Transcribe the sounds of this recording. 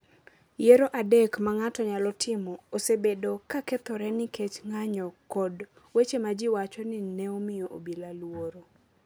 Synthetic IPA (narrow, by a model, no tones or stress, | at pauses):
jeɾoʔadekmaŋatɔɲalɔtʰɪmɔosebedokaket̪ɔɾɛnɪket͡ʃŋaɲɔkɔd | wet͡ʃemad͡ʒɪwat͡ʃɔnɪnɛomɪjoʔo̰bilalwoɾo